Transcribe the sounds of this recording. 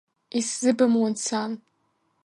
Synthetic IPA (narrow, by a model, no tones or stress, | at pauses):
iszɨbamwant͡sʰan